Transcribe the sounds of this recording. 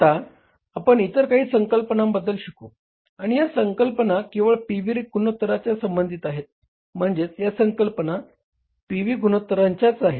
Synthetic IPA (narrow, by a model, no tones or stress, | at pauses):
t̪a | apəɳit̪əɾkaɦiːsəŋkəlpənambəd̪əlɕəko | aɽ̃ijasəŋkəlpənakiwʋəɭpiʋiɾɡunot̪ːɾat͡ɕjasəmbənd̪ʱit̪aɦet̪̚ | m̤əɳd͡ʑet͡sjasəŋkəlpəna | piʋiɡunot̪ːɾaɲt͡ɕjat͡saɦet̪